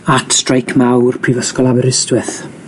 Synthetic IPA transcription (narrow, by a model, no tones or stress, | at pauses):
atʰstrajkʰmawrpʰrivəskɔlˠavɛɾɪstwɪθ